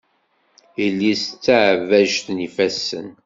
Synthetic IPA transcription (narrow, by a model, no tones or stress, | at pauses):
ilːist͡sːaʕvæʒθnifæsə̰n